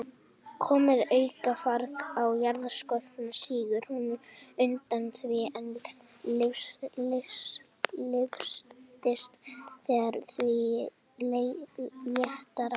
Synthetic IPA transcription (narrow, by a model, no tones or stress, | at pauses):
kʰɔːmɪðœːɥkafaɾkawjaɾðaskɔl̥fɪnasiːɣʏɾ̥hunʏnt̪anθvɪɛn | lɪflɪs | lɪfst̪ɪst̪θɛːɣaɾθvi | leljɛht̪aɾ